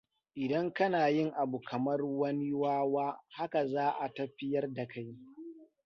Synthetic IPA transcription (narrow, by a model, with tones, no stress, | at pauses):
ʔɪ˨dɐ˦ŋkɐ˦naː˨jɪ˦ŋʔa˨bu˨kʰɐ˨mɐ˦rwɐ˦ni˦waː˦waː˦ha˦ka˨zaː˦ʔa˨tɐ˦ɸɪ˦jɐ˦rda˨kʰa˦j